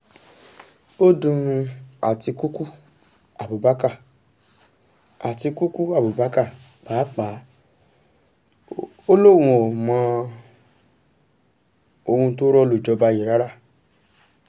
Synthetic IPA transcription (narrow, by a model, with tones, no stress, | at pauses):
o˦dũ˧a̰˨ti˧ku˦ku˦ | a˨bu˨ba˦ka˦˨ | a˨ti˧ku˦ku˦a˦˨bu˨ba˨˦ka˦˨ | k͡paː˨˦k͡pa˨˦ | o˦lo˦wũ˧ɔ˨mã˧ | o˧hũ˧to˦ɾɔ˦˧lo˦˨d͡ʒɔ˧ba˧ji˦˨ɾa˦ɾa˦˨